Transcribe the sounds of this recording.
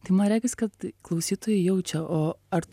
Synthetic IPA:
t̪ʲɐɪmɐnɾʲæːɡʲɛskɐt̪klˠɐʊsʲiːt̪oːjɛjɛʊt͡ʃʲɛʔoːɐɾt

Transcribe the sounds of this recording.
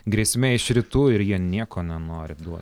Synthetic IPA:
ɡɾʲiɛsʲmʲeːɪʃɾʲɪt̪uːɪɾjiɛnʲiɛkoːnʲɛnoːɾʲɪd̪uɔt̪ʲ

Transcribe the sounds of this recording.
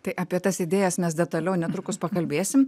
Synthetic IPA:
t̪ɐɪʔɑːpʲiɛt̪ɐsɪd̪ʲeːjɛsmʲɛs̬d̪ʲɛt̪ɐlʲɛʊnʲɛt̪ɾʊkʊspɐkɐlʲbʲeːsʲɪm

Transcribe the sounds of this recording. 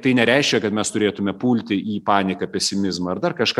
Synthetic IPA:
t̪ɐɪnʲɛɾʲɛɪʃʲkʲɛkɐt̪mʲɛst̪ʊɾʲeːt̪ʊmʲɛpuːlʲt̪ʲɪʔiːpɑːnʲɪkɐpʲɛsʲɪmʲɪzmɐɐrd̪ɐrkɐʃkɐ

